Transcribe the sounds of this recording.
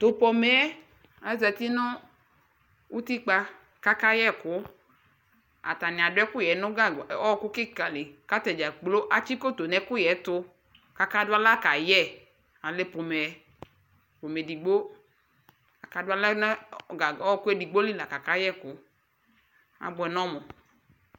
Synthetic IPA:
t̪o˨pɔ˧mɛ˨˦ | a˨zɛ˧ti˦nɔ˦ | u˦ti˦k͡pa˧ | ka˦ka˦jɛ˦˨kʊ˨˦ | a̰˨ta˨nɪ̃˨a˨dʊ˦ɛ˦kʊ˦jɛ˨˦nɔ˦ɡa˦˨ɔ˦ɔ˧kʊ˦kɪ˦ka˨le˨ka˦tɛ˨d͡ʒa˨k͡plo˦ʔa˨t͡ʃi˦ko˦to˨nɛ˨˦kʊ˦jɛ˨˦tʊ˧ | ka˦ka˦dʊ˦a˦la˦ka˨jɛ˦˨ | a˨le˦po˨mɛ˨˦ | po˨mɛ˨di˨ɡ͡bo˦ | a˨ka˨dʊ˦a˦la˦n˦a˨ɔ˦ɔ˧kʊ˦ɛ˦di˨ɡ͡bo˦li˦la˨ka˨ka˦jɛ˦˨kʊ˨˦ | a̰˨ɡ͡bʊ˧˨ɛ˨nɔ˦mɔ˨

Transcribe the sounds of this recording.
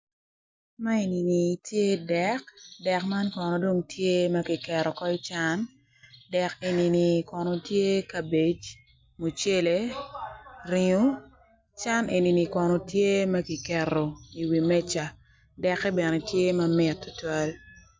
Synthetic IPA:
ma˦e˨ni˨ni˨tje˦dɛ˦kdɛ˨kma˦nkɔ˨nɔ˨do˦ŋtʰje˦mɐ˦ki˨kɛ˨ɾɔ˨kɔ˦ɪ˦t͡ʃa˦n | dɛ˨ke˨ni˨ni˨kɔ˨nɔ˨tje˦ka˨be˨t͡ʃ | mo˨t͡ʃe˦le˦ | ri˨ŋo˦ | t͡ʃa˦nʔe˨ni˨ni˨kɔ˨nɔ˨tje˦mɐ˦ɡi˨kɛ˨ɾo˨i˨wi˨mɛ˦t͡ʃa˨ | dɛ˨kːɛ˦bɛ˨ne˨tje˦mɐ˦mɪ˨tːʊ̥˦twa˦l

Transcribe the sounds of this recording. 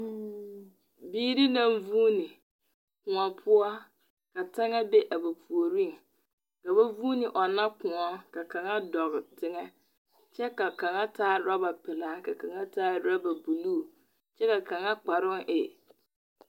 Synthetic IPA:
biː˦ɾi˦na˦˨ɱvuː˦ni˨ | kʊ˨ŋɔ˨pʰʊ˦ɔ˦ | ka˨ta˦ŋa˦be˦ʔa˨ba˨pʰu˨o˨ɾi˦ŋ | ka˨ba˦vu˦nɪ˨ʔɔ˨na˦kʊ˨ŋɔ˦ka˨ka˨ŋa˦dɔ˨ɣɪ˨tɪ˦ŋɛ˦ | t͡ʃɛ˦ka˨ka˨ŋa˦tʰaː˦ɾa˦ba˨pɪ˨la˦ka˨ka˨ŋa˦taː˦ɾa˦ba˨bu˨luː˦˨ | t͡ʃɛ˦ka˨ka˨ŋa˦k͡pa˨ɾʊ˦ŋʔɪ˨

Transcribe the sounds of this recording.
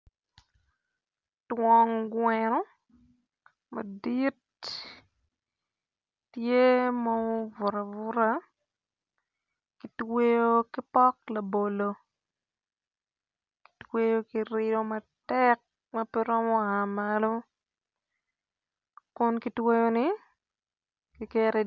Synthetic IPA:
twɔ˨ŋɡwɛɾɔ˦ | ma̰˨di˦t | je˦mɔ˦vʊ˨ɾa˨vʊ˦ɾa˦ | ki˨twe˦jo˦ki˦pɔ˦kla˨bo˨lo˨ | ki̥twe˦jo˦ki˦ɾɪɾɔ˦ma˨tɛk̚ | mɐpɛ˦ɾɔ˦mɔ˦a˨malo˦ | kʊ˦nki˦twe˦jo˦nɪ˦ | ki˦kɛ˦ɾɛ˦

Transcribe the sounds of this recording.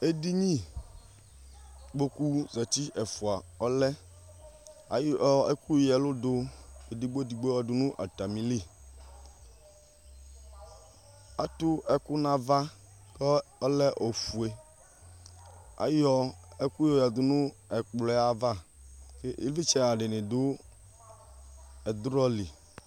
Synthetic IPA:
e˦di˦ɲĩ˦ | ɡ͡bo˦ku˦zɛ˨t̪i˦ʔɛ˨fu˨a˨ɔ˦lɛ˦ | a̰˨jɔ˦e˦ku˦˨˦ɛ˨lʊ˦dʊ˦e˨di˦ɡ͡bo˦di˨ɡ͡bo˦ja˨dʊ˨nʊ̃˦ʔa̰˨t̪a˨mĩ˨li˦˨ | a˦t̪ʊ˦ɛ˦kʊ˦nã˦va˦ | kɔ˦ɔ˦lɛ˦ʔo˨fu˨e˨ | a̰˨jɔ˦ɛ˦ku˦jɔ˨ja˨d̪ʊ˨nʊ̃˦ɛ˨k͡plɔ˨˦a˦va˦˨ke˦ḭ˦vi˦t͡ʃɛ˦a˨ɖɪ˨nɪ̃˨dʊ˦ | ɛ˨d̪ɾɔ˦li˨

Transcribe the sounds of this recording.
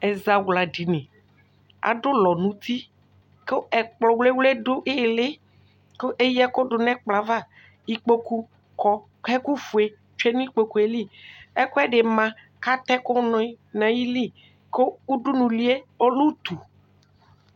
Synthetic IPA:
ɛ˨za˨wla˨ɖi˨nẽ˨ | a̰˨ɖo˦lɔ˨nũ˨t̪i˦ | ke˦ɛ˨k͡plɔ˨wle˦wle˦do˦ʔe˦˨le˦ | ko˦ʔe˦jɛ˦ko˦ɖʊ˨nɛ̃˦k͡pla˨va˦ | i˨k͡po˦ku˦ | kɔ˦ | kɛ˦ku˦fu˨e˦ | t͡ʃe˦nũ˦i˦k͡po˦ku˦e˨li˦ɛ˦ko˦ɛ˦ɖe˨mã˨ | ka˦t̪ɛ˦ko˦nɔ̃˨˦nã˨ji˦li˦ | ko˦u˦ɖu˦nũ˨li˦e˦o˦lu˦t̪u˨

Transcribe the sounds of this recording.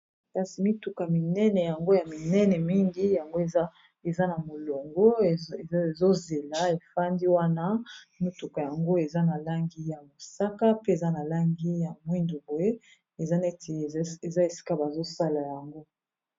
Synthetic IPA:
ka˦si˨mi˦tu˨ka˨mi˨nɛ˦nɛ˨ja˨ŋɡo˦ja˨mi˨nɛ˦nɛ˨mi˦ŋɡi˦ja˨ŋɡo˦e˨˦ | e˨za˦na˨mo˨lo˨ŋɡo˦e˨˦e˨zo˦ze˨la˨˦e˨fa˦ndi˦wa˦na˦mi˦tu˨ka˨ja˨ŋɡo˦e˨za˦na˨la˦ŋɡi˦ja˨mo˨sa˦ka˦pe˦e˨za˦na˨la˦ŋɡi˦ja˨mwi˦ndu˨bo˨e˦ | e˨za˦nɛ˦te˨e˨za˦e˨si̥˦ka˦ba˨zo˦sa˦la˨ja˨ŋɡo˦

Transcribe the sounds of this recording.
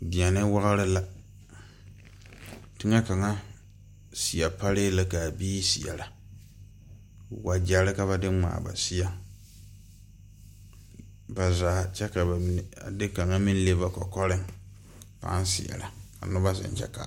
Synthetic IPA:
di˨a˨nɪ˦wa˦ɣa˦ɾɪ˦la˦ | tɪ˦ŋa˦ka˨ŋa˦ | si˨a˨pa˦lɪ˦la˦ka˨biː˦si˨a̰˨la˨ | wa˨d͡ʒa˨ɾɪ˦ka˨βa˦dɪ˦ŋ͡ma̰ː˨ba̰˨si˦a˦ | ba˨zaː˨˦t͡ʃɛ˦ka˨ba˨˦˨a̰˨dɪ˦ka˨ŋa˦mi˦n˦le˦ba˦kɔ̰˨kɔ˦ɾɪ˦ŋ | pa̰˦n˦sɪ̰˨a̰˨la˨ka̰˨nʊ˦ba˦sɪ̰˨n˦t͡ʃɛ̰˦ka̰˨

